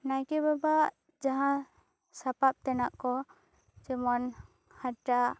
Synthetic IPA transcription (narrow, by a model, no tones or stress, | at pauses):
najkɛbabaʔ | d͡ʒaɦã | sapap̚t̪ɛnaʔkɔ | t͡ʃɛmɔn | haʈaʔ